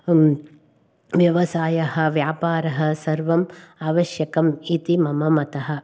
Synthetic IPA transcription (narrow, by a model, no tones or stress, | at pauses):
ʋjɐʋɐsaːjɐɦɐ̆ʋjaːpaːɾɐɦɐsɐɾʋɐmaːʋɐʃjɐkɐmit̪imɐmɐmɐt̪ɐɦɐ̆